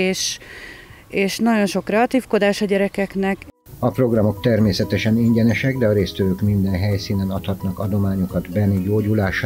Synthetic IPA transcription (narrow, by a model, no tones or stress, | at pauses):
eːʃ | eːʃnɒɟo̞nʃo̞krɛɒt̪iːfko̞d̪aːʃɒɟɛɾɛkɛknɛk | ɒpro̞ɡrɒmo̞kt̪ɛrmeːsɛt̪ɛʃɛniɲɟɛnɛʃɛɡd̪ɛɒɾeːst̪øvøːkmind̪ɛnɦɛjsiːnɛnɒt̪hɒt̪nɒkɒd̪o̞maːɲokɒd̪bɛnːiɟoːɟulaːʃ